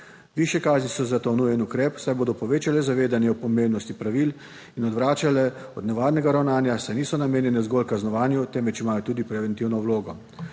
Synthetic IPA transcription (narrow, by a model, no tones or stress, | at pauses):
ʋiːʃjɛkaːznisɔzat̪onujɛnukɾɛːpsajboːd̪ɔpɔʋeːt͡ʃalɛzaʋeːd̪anjɛɔpɔmemnɔst̪ipɾaʋiːl | inɔd̪ʋɾaːt͡ʃalɛɔd̪nɛʋaːɾnɛɡaɾawnaːnjasajniːsɔnameːnjɛnɛzɡɔlkaznɔʋaːnjut̪ɛmʋɛt͡ʃimaːjɔt̪uːd̪ipɾɛʋɛnt̪iwnɔwloːɡɔ